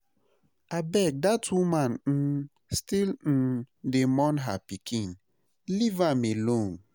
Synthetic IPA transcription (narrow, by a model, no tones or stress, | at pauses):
abɛk̚datʰumãnn̩ | stiln̩ | demɔ̃nɦa̰pikʰĩn | livamelõn